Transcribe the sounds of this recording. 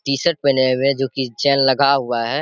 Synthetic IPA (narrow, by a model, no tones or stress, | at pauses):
t̪iːsəʈ̚penemẽd͡ʒoːkit͡ʃɛːnlɐɡʱaɦʊaɦɛː